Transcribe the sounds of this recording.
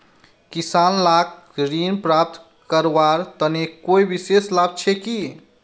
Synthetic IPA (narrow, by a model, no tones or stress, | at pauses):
kisanlak | ɾinpɾap̚t̪ | kəɾaɾt̪ənekoibiseslab̚t͡ʃʰɛki